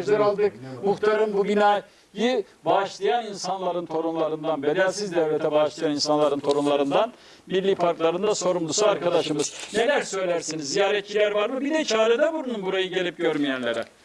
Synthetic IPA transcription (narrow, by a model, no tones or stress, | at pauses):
ʒlʲɛɾalˠd̪ɯkmuxt̪ʰaɾɯmbuɟynaj | jɯ | baʃlˠajaninsanlˠaɾɯnt̪ʰo̞ɾunlˠaɾɯnd̪anbe̞d̪ælʲsizd̪ɛvlʲet̪ʰɛbaʃlˠajaninsanlˠaɾɯnt̪ʰo̞ɾunlˠaɾɯnd̪an | milʲːiːpʰaɾklˠaɾɯnd̪aso̞ɾumd̪ˠusuaɾkad̪aʃɯmɯz̥jelæɾsø̞jlʲæɾsinizːijaːɾɛt̪̚t͡ʃilʲæɾvaɾmɯbid̪ɛt͡ʃʰaːled̪ɛbuɾunumbuɾajɯɟe̞lʲip̚ɟøɾmijænlʲeɾɛ